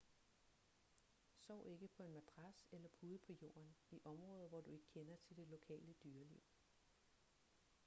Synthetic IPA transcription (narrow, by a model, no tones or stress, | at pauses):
sɒʊ̰e̝ɡ̥əpʰɒ̽e̝nmæt͡sʰʁaselɐpʰuð̞ˠpʰɒ̽jo̝̰ːɐniʔɒ̽mʁɔ̽ːðˠʋɒd̥ue̝ɡ̥ə̥kʰenɐt͡sʰe̝ld̥e̝lo̝kʰɛ̰ːləd̥yːɐliʊ̰